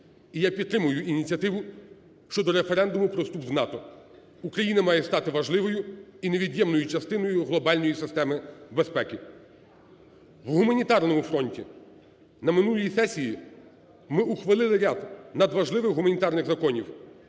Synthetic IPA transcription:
ijapʲid̪t̪ːɾɪmʊjʊʔinʲit͡sʲɐt̪ɪʋʊ | ʃt͡ʃɔd̪ɔɾefeɾɛnd̪ʊmʊpɾɔst̪upznɑt̪ɔ | ukɾɐjinɐmɑjɛst̪ɑt̪ɪʋɐʒlˠɪʋɔjʊine̞ʋʲid̪ʲjɛmnɔjʊt͡ʃɐst̪ɪnɔjʊɦlˠɔbɑlʲnɔjisɪst̪ɛmɪbespɛkʲɪ | ʋɦumɐnʲit̪ɑrnɔmʊfɾɔnʲtʲi | nɐmɪnulʲˠjisɛsʲiji | mɪʔuxʋɐlˠɪlˠɪɾʲad̪nɐd̪ʋɐʒlˠɪʋɪxɦumɐnʲit̪ɑrnɪɣzɐkɔnʲiw

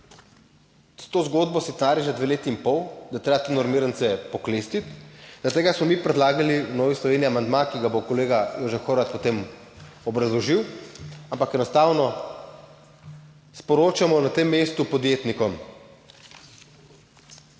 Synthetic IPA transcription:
t̪oːzɡoːd̪bɔsit̪naːɾjiʒad̪ʋeːleːt̪iːmpɔwd̪at̪ɾeːbat̪enɔɾmiɾənt̪sɛpɔkleːst̪it̪d̪̥at̪eːɡasmɔmiːpɾɛd̪laːɡaliwnɔːʋislɔʋeːniamand̪makiɡabokɔleːɡajoʒɛxoɾat̪̚pɔt̪em | ɔbɾazlɔʒiwampakɛnɔst̪aːwnɔ | spɔɾoːt͡ʃamɔnat̪emːeːst̪upɔd̪jet̪nikɔm

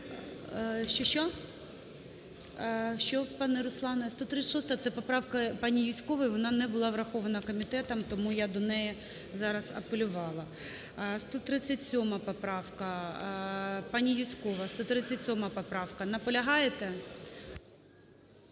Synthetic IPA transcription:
ʃt͡ʃɔʃt͡ʃɔ | ʃt͡ʃɔpɑnɛɾʊslˠɑnɐst̪ɔt̪ɾɪt͡sʲːɐ̥ʃɔst̪ɐɐt̪ɛpɔpɾɑwkɐpɑnʲijisʲkɔʋɐjʋɔnɑnɛbʊlˠɑʋɾɐxɔʋɐnɐkɔmʲit̪ɛt̪ɐmt̪ɔmujad̪ɔnɛjɛ | zɑɾɐzɐ̰pelʲʊʋɑlˠɐ | st̪ɔt̪ɾɪt͡sʲːɐtʲsʲɔmɐpɔpɾɑwkɐ | pɑnʲijusʲkɔʋɐst̪ɔt̪ɾɪt͡sʲːɐtʲsʲɔmɐpɔpɾɑwkɐnɐpɔlʲɐɦɑjet̪ɛ

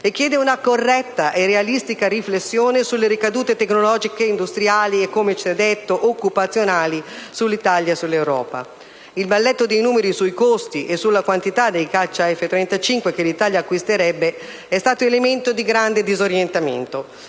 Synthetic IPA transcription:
ek̟ːjɛːd̪eunakorːɛt̪ːaʔerealist̪ikaɾiflesːjoːnesulːeɾikad̪uːt̪et̪ekːnolɔːd͡ʒikeind̪ust̪ɾiaːliekːomet͡ʃɛd̪ːet̪ːoʔokːupat̪sːjonaːlisulːit̪aljasulːewɾɔ̰ːpa̰ | ilbalːɛt̪ːod̪ejnuːmeɾisuikost̪iʔesulːakwant̪it̪ad̪ːejkat͡ʃːaɛfːet̪ɾeɛnt̪at͡ʃiŋkwekelit̪aːljaːkːwist̪eɾɛbːe | ɛst̪aːt̪oelement̪od̪iɡɾand̪ed̪izoɾjent̪amḛnt̪o

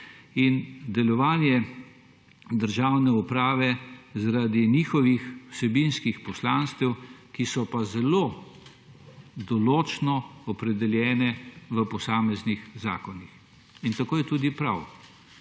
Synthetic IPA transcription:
ind̪ɛlɔʋaːnjɛ | d̪əɾʒawnɛupɾaːʋɛzaɾad̪iniːxɔʋixwsɛbinskixpɔslaːnst̪ɛwkisɔpazɛloː | d̪ɔloːt͡ʃnɔɔpɾɛd̪ɛljɛːnɛʋəpɔsaːmɛznixza̰ːkɔnix | int̪akoːjɛt̪uːd̪ipɾaw

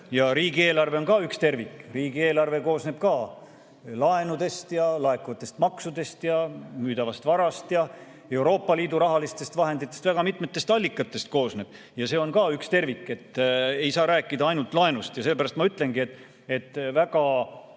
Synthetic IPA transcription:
jɑɾiːɡie̞ːlɑrve̞o̞nkɑːykst̪e̞rvikːˑriːɡ̥ie̞ːlɑrve̞ko̞ːsne̞b̥̚kɑː | lɑe̞nud̪̥e̞st̪jɑlɑe̞kːuɑt̪ːˑe̞st̪mɑksud̪e̞st̪jɑmyːd̪ɑvɑst̪vɑɾɑst̪jɑ | e̞wɾo̞ːpˑːɑliːd̪uɾɑɦɑlist̪e̞st̪vɑɦe̞nd̪it̪ˑːest̪væɡ̥ɑmit̪met̪ːˑe̞st̪ɑlʲːikːˑɑt̪ːˑe̞st̪̚ko̞ːsne̞b̥ | jɑse̞ːo̞nkɑːykst̪e̞rvikːˑe̞t̪ːe̞jsɑːɾæːkˑːid̪ɑɑjnult̪ˑlɑe̞nust̪jɑse̞lːebæɾɑst̪mɑyt̪ːˑle̞ŋɡ̥iet̪ːˑ | e̞t̪ːˑvæɡɑ

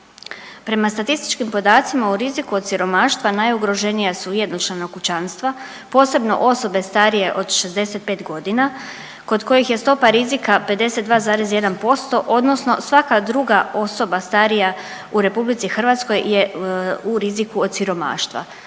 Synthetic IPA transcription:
pɾe̞mast̪at̪ist̪i̥t͡ʃkimpo̞d̪aːt̪simauɾizikuod̪siɾo̞maːʃt̪ʋanajuɡɾo̞ʒe̞nijasujed̪not͡ʃlanokut͡ɕanst̪ʋa | po̞ːse̞bno̞̰ʔo̞so̞be̞st̪aɾije̞ʔo̞d̪ʃe̞zd̪e̞set̪̚pe̞ːt̪ɡo̞d̪ina | ko̞d̪ko̞jixje̞st̪o̞paɾizikape̞d̪e̞se̞t̪d̪ʋaːzaːɾezje̞d̪anpo̞st̪o̞ʔo̞d̪nosno̞sʋakad̪ɾuɡao̞so̞bast̪aɾija | uɾe̞publit̪sixr̩ʋat̪sko̞jje̞uɾizikuod̪̚siɾo̞ma̰ːʃt̪ʋa̰

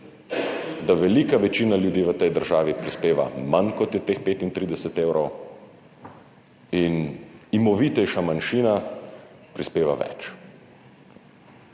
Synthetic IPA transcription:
d̪aʋɛliːkaʋɛt͡ʃiːnaljud̪iːʋət̪ɛjd̪əɾʒaːʋipɾispeːʋa̰mankɔt̪jɛt̪eːxpeːt̪int̪ɾiːd̪ɛsɛt̪ewɾɔw | inimɔʋit̪ɛjʃamanʃiːna | pɾispeːʋa̰ʋɛ̰t͡ʃ

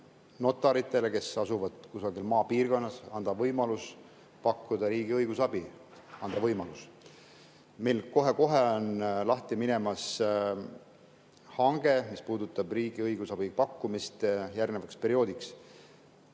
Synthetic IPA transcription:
no̞t̪ːˑɑɾit̪ːˑe̞leke̞sɑsuvɑd̪̥kusɑɡilmɑːpiːrɡ̥o̞nːɑsɑnd̪ɑvɤjmɑlus | pɑkːˑud̪̥ɑɾiːɡiɤjɡ̥usɑbi | ɑnd̪̥ɑvɤjmɑlus | me̞jlko̞ɦe̞ko̞ɦeonlɑht̪imine̞mɑs | hɑŋɡ̥e̞mispuːd̪ut̪ːˑɑb̥riːɡ̥iɤjɡ̥usɑb̥ipɑkːumist̪jærɡnevɑkspe̞ɾio̞ːd̪iks

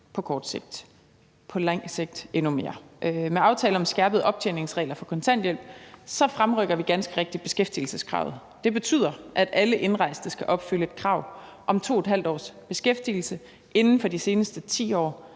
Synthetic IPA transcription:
pʰɒ̽kʰɒːd̥seɡ̥̚d̥ | pʰɒ̽lɑ̈ŋ̰se̝ɡ̥̚d̥e̝nume̝ːɐʔmeɑ̈ʊt͡sʰɛːləɒ̽msɡ̥æɐb̥ð̞̩ˠʔɒ̽b̥̚t͡ɕʰene̝ŋsʁɛ̰ɪlɐfɒ̽kʰɒ̽nt͡sʰæn̰d̥jel̰b̥sɒ̽fʁamʁœɡ̥ɐʋiɡ̥ænsɡ̥əʁɛɡ̥̚d̥id̥̚b̥e̝sɡ̥efd̥iːl̩səskʰʁɑ̰̈ʊð̩ˠ | d̥e̝b̥e̝t͡sʰy̰ð̞̰ˠɐʔæd̥æləʔe̝nʁɑ̈ɪ̰sd̥əsɡ̥æʔɒ̽b̥fyləe̝d̥̚kʰʁɑ̈ʊ̰ | ʔɒ̽mt͡sʰo̝̰ːed̥ɦæl̰d̥ɒ̰ːsb̥e̝sɡ̥efd̥iːl̩sə | e̝nn̩fɒ̽d̥ise̝ːnəsd̥ət͡sʰḭːɒ̰ː

